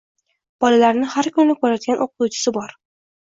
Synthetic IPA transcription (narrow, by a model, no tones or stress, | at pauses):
b̥ɒlalaɾnɪhaɾkʰʊnɪnɪkʰɵɾat̪ɡʲanʔoqʊt̪uwt͡ʃʰɪ̥sɪbɒɾ